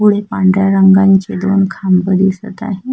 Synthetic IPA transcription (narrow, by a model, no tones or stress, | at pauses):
uɽ̤epaɳɖɾjaɾəŋɡãɲt͡ɕed̪oːnkʰambəd̪isət̪a̰ɦe